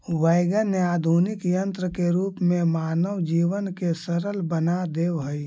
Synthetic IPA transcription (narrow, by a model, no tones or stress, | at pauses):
ʋaɪɡənaːd̪ʱuːnɪkjə̃nt̪ɾəkeɾuːpmẽmaːnəwd͡ʒiːʋənkesəɾəlbənad̪eːwɦəi